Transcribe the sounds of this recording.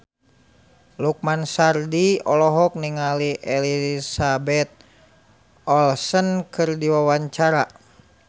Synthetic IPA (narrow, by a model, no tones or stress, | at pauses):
luk̚mansardiɔlɔɦɔk̚niŋaliʔɛlisabɛt̪̚ | ɔlsənkʰɨrdiwawaɲt͡ʃaɾa